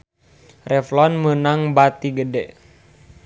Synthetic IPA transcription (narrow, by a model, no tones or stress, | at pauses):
rɛflɔnmənaŋbat̪iɡədɛ